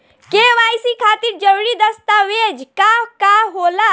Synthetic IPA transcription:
keʋaːjsikʰaːt̪iɾd͡ʒəʋɽid̪əst̪aʋed͡ʒkakaɦoːla

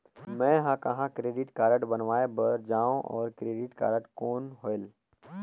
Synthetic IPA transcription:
mɛ̃ːɦãkɐɦãkɾeːɖɪʈkaːɾəʈbɐnʋaːebɐɾd͡ʒaːõʔɔ̰ːɾkɾeːɖɪʈka̰ːɾəʈkoːnɦoːɪl

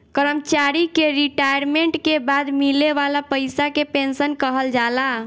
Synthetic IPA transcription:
kəɾəmt͡ʃaɾikeɾiʈajəɾmeɳʈkebad̪mileʋalapəjsakepensənkəɦəld͡ʒala

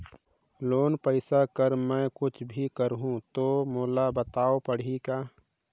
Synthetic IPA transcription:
loːnpəɪsakəɾmɛ̃ːkʊt͡ʃʰbʱikəɾɦũt̪oːmoːlabət̪aːopəɽ̤ikaː

